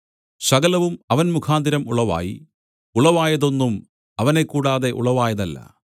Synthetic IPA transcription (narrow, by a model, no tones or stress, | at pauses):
sɐɡɐlɐʋumɐʋɐnmukʰaːnd̪ʱiɾɐmuɭɐʋa̰ːjḭ | uɭɐʋaːjɐðo̞nːum | ɐʋɐne̞kːuːɽaːðe̞ʔṵɭɐʋaːjɐðɐlːɐ̰